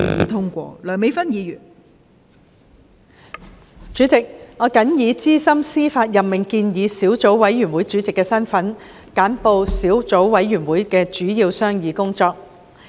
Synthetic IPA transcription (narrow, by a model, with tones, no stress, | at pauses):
jḭː˨˧t̪ʰʊ˥ŋkʷɔ̰ː˧lœː˨˩me˨˧jfɐ˥njiː˨˧jyː˨˩n | t͡ʃyː˨˥t͡sɪ˨k̚ŋɔː˨˧kɐ˨˥njiː˨˧t͡siː˥sɐ˥msiː˥faː˧t̚jɐ˨pmɪ˨ŋkiː˧njiː˨˧siː˨˥wt͡so˨˥wwɐ˨˥jɥyː˨˩nwuː˨˥jt͡ʃyː˨˥t͡sɪ˨kːɛː˧sɐ˥nfɐ˨˥n | kaː˨˥npo˧wsiː˨˥wt͡so˨˥wwɐ˨˥jːyː˨˩nwuː˨˥jkɛː˧t͡ʃyː˨˥jiː˧wsœː˥ŋjiː˨˧kʊ˥ŋt͡sɔː˧k̚